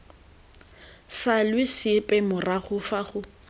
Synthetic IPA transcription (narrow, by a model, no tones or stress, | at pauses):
salwɪsɪpʼɛmʊraχʊfaχʊ